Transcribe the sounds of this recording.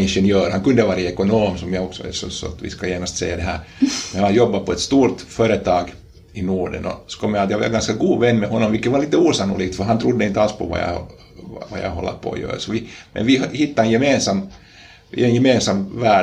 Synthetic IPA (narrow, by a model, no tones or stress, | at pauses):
ɪnʂɛnjøːɾhɑŋkʉnd̪əʋɑːɾaɛkɔnoːmsɔmjɑɡɔksɔ̰ɛ̰sɔ̰sɔ̰at̪ʋɪ̰skɑjæːnast̪sɛ̰jːad̪ɛɦæ̰ːɾmɛnhanjɔbːapɔɛt̪st̪uːɾt̪fœɾət̪ʰɑːɡ | ɪnuːɖə̰nɔ̰skʰɔmːjhɑt̪jaʋɑ̰ɾɡɑnskaɡuːvɛnːmɛɦɔnːɔmʋɪlkːət̪vaɾliːt̪əuːsɑnːʊliːɡ̚t̪fœɦɑnt̪ʰɾud̪ːəɪnt̪əalspʰɔ̰ʋɑ̰jɑ̰ | ʋa̰jɑ̰ɦɔ̰lːa̰pʰo̰ːjø̰ːsɔʋɪmɛ̰nʋɪhɪt̪ːaɾɛnjɛmeːnsamː | ɛnjɛmeːnsamvæː